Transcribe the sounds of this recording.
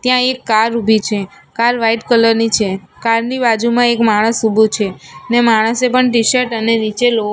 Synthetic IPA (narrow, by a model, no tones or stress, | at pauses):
t̪jãekːaɾubʱit͡ʃʰe | kaɾʋaiʈkələɾnit͡ʃʰe | kaɾnibad͡ʒumãekmaɽ̃əsubʱut͡ʃʰenemaɽ̃əsepəɳʈ̬iʃəɾʈəneɾit͡ʃelo